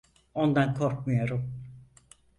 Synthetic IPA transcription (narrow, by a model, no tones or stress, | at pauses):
o̞nd̪ankʰo̞ɾkmɯjo̞ɾum